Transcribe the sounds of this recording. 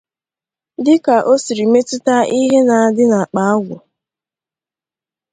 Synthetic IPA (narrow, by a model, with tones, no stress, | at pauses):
dɪ˦ka˨ʔo˦si˨ɾi˨me˦tʊ˦ta˦ʔi˦ɦe˦na˨a˨dɪ˦na˨k͡pa˨˦a˦ɡʷʊ˨